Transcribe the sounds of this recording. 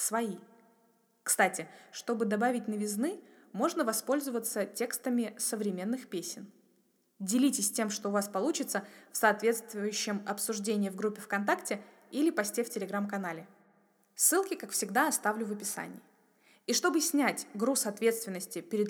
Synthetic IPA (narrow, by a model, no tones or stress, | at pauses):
svɐi | kst̪atʲɪʂt̪o̞bɨd̪ɐbavʲɪt̚ʲnəvʲɪznɨ | mo̞ʐnəvɐspo̞lʲzəvət̪sətʲe̞kst̪əmʲɪsəvɾʲɪmʲe̞nːɨxpʲesʲɪn | dʲɪlʲitʲɪsʲtʲemʂt̪o̞ʊvaspɐlˠut͡ɕɪt̪səfsɐːt̪vʲe̞t̪st̪vʊjʏɕːɪmɐpsʊʐdʲenʲɪjəvɡɾupʲːɪfkɐnt̪aktʲɪ | ilʲɪpɐsʲtʲeftʲɪlʲɪɡɾamkɐnalʲɪ | sːɨlˠkʲɪkakfsʲɪɡd̪aɐst̪avlʲʊvəpʲɪsa̰nʲɪ̰ː | iʂt̪o̞bɨsʲnʲætʲɡɾusɐt̪vʲe̞t̪st̪vʲɪnːəsʲtʲɪpʲɪɾʲɪd̪